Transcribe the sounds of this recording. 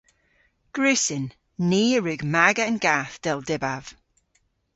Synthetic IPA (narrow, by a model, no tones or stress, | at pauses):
ɡ̥ɹʉːsɪnː | iːəɹʉːɡmaɡəənɡaːθd̥ɛlˠdɪbav̥